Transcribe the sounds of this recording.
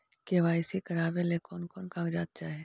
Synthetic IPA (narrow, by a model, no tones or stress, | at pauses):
keʋaːɪsikɐɾaːbelekɔːnkɔːnkãːkd͡ʒaːt̪̚t͡ʃaːɦe